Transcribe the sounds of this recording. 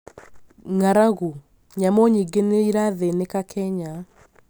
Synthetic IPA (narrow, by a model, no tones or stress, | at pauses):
ŋaɾaɣu | ɲamɔɲiɡeneiɾaðenekakʰɛɲa